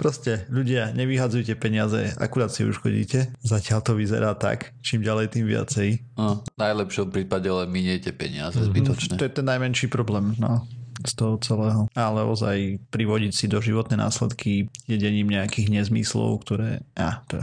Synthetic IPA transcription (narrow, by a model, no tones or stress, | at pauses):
pɾɔscɛʎuɟɪaɲɛʋiɦad͡zujcɛpɛɲɪazɛ̰a̰kuɾaːt̪siṵʃxɔ̰ɟḭːcɛzacɪalt̪ɔʋizɛ̰ɾaːt̪a̰k | t͡ʃiːmɟalɛjt̪iːmʋɪa̰t͡sɛj | anajlɛpʃɔmpɾiːpaɟɛlɛnmiɲɛcɛpɛ̰ɲɪazɛzbit̪ɔt͡ʃɲtɛɔjɛt̪ɛnːajmɛnʃiːpɾɔblɛːmnɔst̪ɔɦɔt͡sɛlɛːɦɔalɛɔ̰za̰jpɾiʋɔɟicsid̪ɔʒiʋɔt̪nɛːna̰ːslɛ̰t̪kʰijɛɟɛɲiːmɲɛakiːɣɲɛzmḭslɔ̰ʊkt̪ɔɾɛ̰ːʔat̪ɔ̰